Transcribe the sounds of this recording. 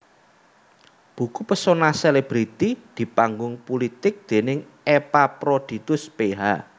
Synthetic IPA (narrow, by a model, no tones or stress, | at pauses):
b̥ṳkupəsonaseleb̥ɾit̪id̪̥i̤paŋɡʊŋpulit̪ɪk̚d̪̥e̤nɪŋ | epapɾod̪̥i̤t̪ʊspeɦa